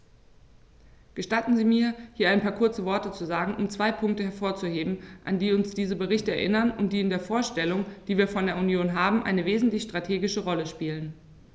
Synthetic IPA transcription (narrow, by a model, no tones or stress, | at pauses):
ɡ̥əʃtatn̩ziːmiːɐhiːɐʔaɪnpʰaːɐkʰʊɐt͡səvɔɐtət͡suzaːɡŋ̩ʊmt͡sv̥aɪpʰʊŋk̚təhɛɐfoːɐt͡suheːbm̩ʔa̰ndiːʊnsd̥iːzəbəʁɪçtəɛɐʔɪnɐnʊntd̥iːɪndeːɐfoːɐʃtɛlʊŋd̥iːviːɐfɔndeːɐunjoːnɦaːbm̩ʔa̰ɪnəveːzn̩tlɪçʃtʁ̥atʰeːɡɪʃəʁɔləʃpiːlən